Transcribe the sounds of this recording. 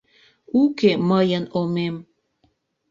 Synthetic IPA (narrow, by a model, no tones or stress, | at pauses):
ukeməjənomem